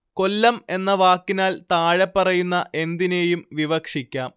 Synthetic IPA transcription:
ko̞lːɐme̞nːɐʋaːkːinaːlt̪aːɻepːɐrɐjunːɐʔe̞nd̪ine̞ːjumʋiʋɐkʂikʲːaːm

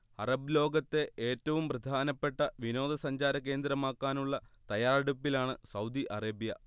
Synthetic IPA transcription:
hɐrɐblo̞ːɡɐt̪ːe̞ʔeːtːɐʋumprɐd̪ʱaːnɐpːe̞ʈːɐʋino̞ːd̪ɐsɐɲd͡ʑaːɾɐk̬ːe̞ːnd̪ɾɐmaːkːaːnuɭːɐt̪ɐjaːrɐɽupːilaːɳɨsɐwd̪iʔɐreːbijɐ

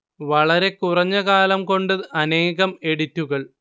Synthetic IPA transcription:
ʋɐɭɐɾe̞kurɐɲːɐɣaːlɐmko̞ɳɖɨʔɐne̞ːɣɐme̞ɽitːuɣɐɭ

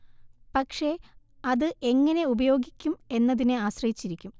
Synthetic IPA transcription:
pɐkʂe̞ | ɐðɨʔe̞ŋːɐne̞ubɐjo̞ːɡikʲːume̞nːɐðinɨaːɕrɐjit͡ɕːiɾikʲːum

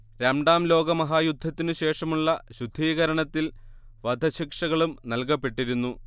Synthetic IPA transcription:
ɾɐɳɖaːmlo̞ːɡɐmɐɦaːjud̪ʱːɐt̪ːinɨɕe̞ːʂɐmuɭːɐɕud̪ʱːiːɣɐɾɐɳɐt̪ːil | ʋɐd̪ʱɐɕikʂɐɣɐɭumnɐlkɐpːe̞ʈːiɾunːu

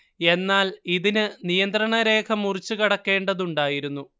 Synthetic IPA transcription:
e̞nːaːliðinɨnijɐnd̪rɐɳɐɾe̞ːkʰɐmːurit͡ɕːukɐɽɐkːe̞ːɳɖɐðuɳɖaːjiɾunːu

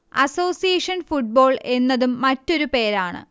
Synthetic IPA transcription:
ɐ̰so̞ːsijeːʂɐnfuʈ̚bo̞ːɭe̞nːɐðumːɐtːo̞ɾupe̞ːɾaːɳɨ̰

